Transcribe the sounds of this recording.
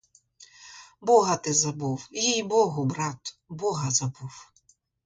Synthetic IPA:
bɔɦɐt̪ɪzɐbuwjijbɔɦʊbɾɑt̪bɔɦɐzɐbuw

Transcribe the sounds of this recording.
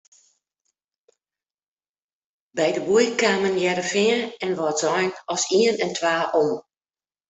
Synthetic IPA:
bɛjdəbujkaːmənjɛɾəfɪəɛnʋɔtzɔjnɔsiənɛntʰʋaːʔon

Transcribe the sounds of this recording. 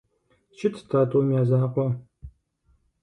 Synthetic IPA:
t͡ʃʰɪtʰtʰaːtʰʼoːmjaːzaqʷɔ

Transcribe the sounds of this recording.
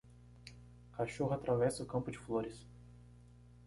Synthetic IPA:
kaʃohʊat̪ɾavɛsɐʊkɐ̃mpʊd͡ʒɪfloɾɪs

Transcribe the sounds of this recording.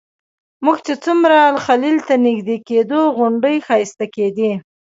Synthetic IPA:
muɡt͡ʃet͡sumɾalxalilt̪anɪɡd̪eked̪oɣʊɳɖəjxɑjɪst̪aked̪i

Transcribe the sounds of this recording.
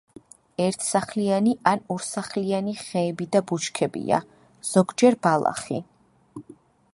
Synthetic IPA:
ɛɾt̪ʰsaχlianiʔanuɾsaχlianiχɛːbid̪abut͡ʃkʰɛbḭa̰ | z̥ɔɡd͡ʒɛɾbalˠa̰χḭ

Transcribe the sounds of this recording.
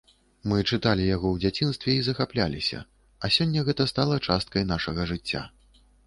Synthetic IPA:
mɨt͡ʂɨt̪alʲijaɣɔwd͡zʲat͡sʲinst̪vʲɛizɐxaplʲalʲisʲɐ̰ | ɐsʲɔnʲːɐɣɛt̪ɐst̪alˠɐt͡ʂast̪̚kɐjnaʂɐɣɐʐɨt͡sʲːa̰

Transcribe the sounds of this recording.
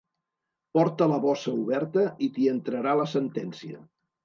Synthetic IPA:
pɔɾt̪ələβɔsəuβɛɾt̪əit̪iənt̪ɾəɾaləsənt̪ɛnsiə̰

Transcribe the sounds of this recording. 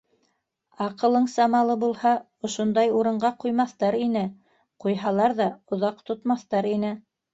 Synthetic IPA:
ɑqɤ̆lˠɤɴsɑmɑlˠɤbulˠhɑ | ŏʃond̪ɑjuɾɤ̆ɴɢɑqujmɑθt̪ɑɾinɘ | qujɦɑlˠɑɾðɑŏðɑqt̪ŏt̪mɑθt̪ɑɾinɘ

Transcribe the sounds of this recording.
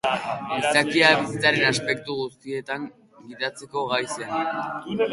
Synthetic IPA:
ist̪akiaβisit͡saɾe̞naspe̞k̚t̪uɣust̪ie̞t̪aŋ | ɡiðat͡se̞ko̞ɣajsen

